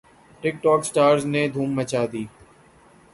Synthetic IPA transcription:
ʈɪk̚ʈɔːksʈaːɾzneːd̪ʱuːmːət͡ʃaːd̪iː

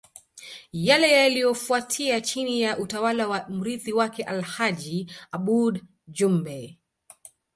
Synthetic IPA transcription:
jalɛjalijɔfuatʰiat͡ʃinijaʔutawalawam̩ɾiθiwakɛʔalhad͡ʒiaɓud | d͡ʒumbɛ

